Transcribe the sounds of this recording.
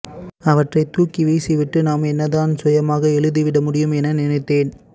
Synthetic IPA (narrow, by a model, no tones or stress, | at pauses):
ɐʋɐʈrɐɪt̪uːkiʋiːsiʋɪʈːɯnaːmɛnːɐðaːnsɔjɐmaːɣɐɛɭɯðiʋɪɽɐmʊɽɪjɯmɛnɐnɪnɐɪt̪ːeːn